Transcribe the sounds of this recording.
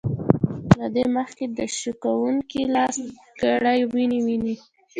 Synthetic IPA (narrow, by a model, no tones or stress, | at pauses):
lad̪eməxked̪əʃukawuŋkilɑs | ɡ̥aɽajwiniwini